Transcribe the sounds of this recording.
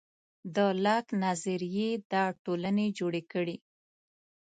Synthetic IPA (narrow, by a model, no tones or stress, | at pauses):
d̪əlaknaziɾijed̪ɑʈolaned͡ʒoɽekəɽi